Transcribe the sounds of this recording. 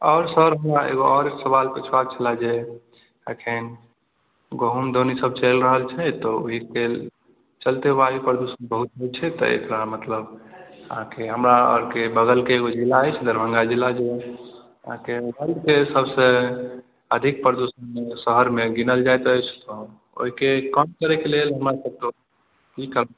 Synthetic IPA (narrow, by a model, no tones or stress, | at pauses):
ɔːɾsəɦəɾɦəmɾaḛɡoɔɾeksəβalpet͡ʃʰwat͡ʃʰəlad͡ʒe | ḛkʰen | ɡoɦumd̪onisəb̚t͡ʃəlɾəɦəlt͡ʃʰɛt̪ɔo̰ɦike | t͡ʃəlt̪eʋaɾipəɾd̪usənbəɦut̪ɦət͡ʃʰɛt̪ɔ̰ḛk̪ɾamət̪ləbə̰ɦãkeɦəmɾaə̰ɾkebəɡəlkeːɡod͡ʒilːaəjt͡ʃʰd̪əɾbʱə̃ŋɡad͡ʒilːad͡ʒe | əãkebəlɖkesəbsə | əd̪ʱik̚pəɾd̪osənmesəɦəɾmeɡinəld͡ʒajt̪əjt͡ʃʰt̪ɔ | o̰ɦikekəmkəɾɛkelelɦəmɾasəb̚t̪o | kikəɾə